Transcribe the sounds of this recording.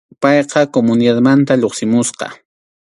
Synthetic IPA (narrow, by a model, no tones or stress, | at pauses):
pɑjqɑkomʊnɪd̪ad̪mant̪aʎoχsɪmʊsqɑ̰